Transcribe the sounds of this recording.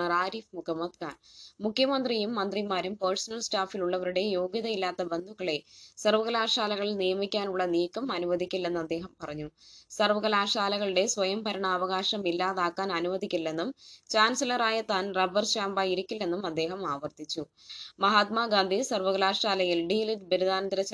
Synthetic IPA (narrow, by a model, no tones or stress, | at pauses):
ɐraːɾiːfmukɐmːɐt̪kaːnmukʰːjɐmɐnd̪rijumːɐnd̪rimaːɾumpɐrsɐnɐlsʈaːfiluɭːɐʋɐɾuɽe̞jo̞ːɡjɐðɐilːaːt̪ːɐbe̞nd̪ʱukːɐɭe̞sɐrʋɐɣɐlaːʂaːlɐɣɐɭinijɐmikʲːaːnuɭːɐniːkːɐmɐnuʋɐðikʲːulːenːuɐd̪ːe̞ːɦɐmpɐrɐɲːusɐrʋɐɣɐlaːʂaːlɐɣɐɭuɽe̞sʋɐjɐmpɐɾɐɳɐːʋɐɣaːʂɐmilːaːðaːkːaːnɐnuʋɐðʱikʲːulːe̞nːumt͡ɕaːnsɐlɐraːjɐt̪ːaːnrɐbɐrɕaːmbaːjiɾikʲːulːe̞nːumɐd̪ːe̞ːɦɐmaːʋɐrt̪it͡ɕːu | mɐɦaːt̪maːɡaːnd̪ʱisɐrʋɐɣɐlaːʂaːlɐjilɖiːlidbiɾud̪ʱaːnɐnd̪iɾɐt͡ɕ